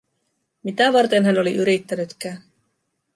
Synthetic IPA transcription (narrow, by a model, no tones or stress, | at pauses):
mit̪æʋɑrt̪enɦæno̞liʔyɾit̪ːænyt̪k̟æːn